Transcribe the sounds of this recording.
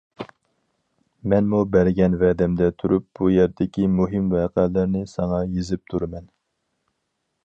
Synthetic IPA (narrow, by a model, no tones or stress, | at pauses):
mɛnmubæɾɡʲɛnvɛd̪ɛmd̪ɛt̪ʰuɾʔup̚bujɛɾd̪ɪkʲimuɦɪmvɛːqɛːlæɾnɪsɑŋɑjezɪp̚t̪ʰuɾmɛn